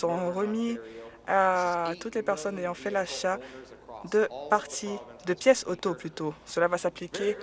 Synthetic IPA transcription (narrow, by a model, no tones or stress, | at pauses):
əʁɔ̃ʁəmi | at̪ut̪lepɛʁsɔnejɑ̃fɛlaʃa | d̪əpaʁt̪ʰid̪əpjɛsot̪oplyt̪osəlavasaplikʲe